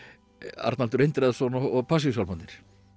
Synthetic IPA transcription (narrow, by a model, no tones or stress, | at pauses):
a̰ɾt̪nalt̪ʏɾejnt̪ɾɛðsɔnɔɔɣpʰas̬isalmant̪nɪ̥ɾ̥